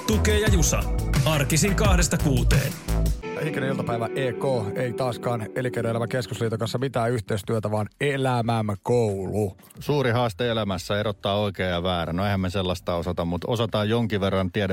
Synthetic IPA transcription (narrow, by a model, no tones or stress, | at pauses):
t̪ukeːjɑjusɑ̰ɑrkisiŋkɑhdest̪ɑkuːt̪ḛːnikæneilt̪ɑpæiʋæʔeːkoːe̞it̪ɑːskɑːne̞likeɾeelæmækeskusliːt̪okɑnsːɑmit̪æːyht̪eist̪yøt̪æʋɑːnelæmæmkowlu | suːɾiɦɑːst̪eelæmæsːæerot̪ːɑːoikeːjɑʋæːɾænoehæmːeselːɑst̪ɑosɑt̪ɑmmut̪osɑt̪ɑːjjoŋkiʋerːɑnt̪iedæ